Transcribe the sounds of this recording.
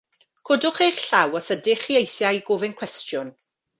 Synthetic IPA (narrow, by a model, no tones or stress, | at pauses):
kʰɔdʊχejrɬawɔsədɪχiejθjaiɡʊvɪnkʰw̥ɛstjʊn